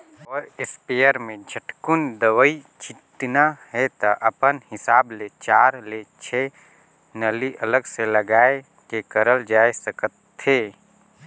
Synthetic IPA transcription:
ɔːɾɪspeːjəɾmẽd͡ʒʱəʈkʊnd̪əwəi | t͡ʃɪt̪naɦɛt̪aʔɐpənhɪsaːblet͡ʃaːɾlet͡ʃʰe | nəliʔələɡseləɡaːe | kekəɾəld͡ʒaːesəkət̪ːeː

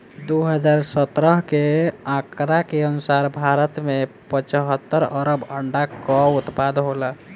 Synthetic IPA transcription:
d̪uɦəd͡ʒaɾsət̪ɾəɦkeãkɾakeənusaɾbʱaɾət̪mepət͡ʃəɦət̪ːəɾəɾəbəɳɖakɔut̪pad̪ɦolə

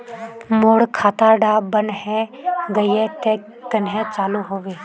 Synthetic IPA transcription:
moːɽkʰaːt̪aɖaːbənɦɛɡəiɛt̪eː | kənɦɛ̃t͡ʃaːluɦoːʋeː

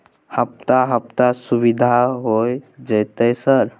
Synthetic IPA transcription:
həp̚t̪aɦəp̚t̪asubid̪ʱaɦojd͡ʒəjt̪əsəɾ

